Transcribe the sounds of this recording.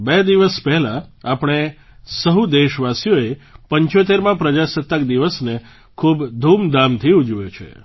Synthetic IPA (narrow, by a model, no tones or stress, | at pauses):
bed̪iʋəspɛɦɛlãapɽ̃e | səɦud̪eʃʋasijoepəɲt͡ʃot̪̬eɾmãpɾəd͡ʒasət̪ːəkd̪iʋəsne | kʰubd̪ʱumd̪amt̪ʰiud͡ʒujot͡ʃʰḛ